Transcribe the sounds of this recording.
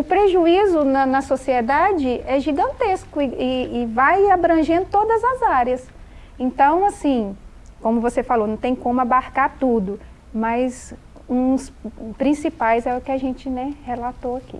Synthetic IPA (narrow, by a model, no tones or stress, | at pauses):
ʊpɾeʒuizʊnɐnɐsosied̪ad͡ʒɪɛʒiɡɐ̃nt̪eskʊɪɪːvajabɾɐ̃ʒẽnd̪ʊt̪od̪ɐzɐzaɾiɐs | ẽnt̪ɐ̃w̃asĩ | kõmʊvosefalonɐ̃w̃t̪ẽj̃kõmʊabaɾkaɾt̪ud̪ʊ | mɐz | ũspɾĩsipajzɛʊkɪaʒẽnt͡ʃɪnɛhelat̪oakḭ